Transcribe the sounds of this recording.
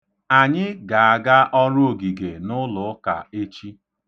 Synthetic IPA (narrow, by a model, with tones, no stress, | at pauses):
a˨ɲɪ˦ɡa˨a˨ɡa˦ʔɔ˦ɾʊ˦o˨ɡi˨ɡe˨nʊ˦lʊ˨˦ka̰˨e˦t͡ʃi˦